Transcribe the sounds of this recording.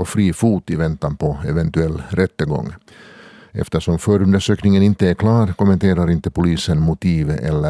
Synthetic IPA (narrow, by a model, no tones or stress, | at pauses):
ɔfɾiːfuːt̪ɪvɛnt̪anpʰɔɛvɛnt̪ʉɛlːɾʔɛt̪ːəɡɔ̰ŋː | ɛ̰ft̪əʂɔmfœːɾɵnd̪əʂøːknɪŋənɪnt̪əæɾkʰlɑːɾkʊmːɛnt̪ʰeːɾaɾɪnt̪əpʊliːsənmʊt̪ʰiːvɛ̰lːə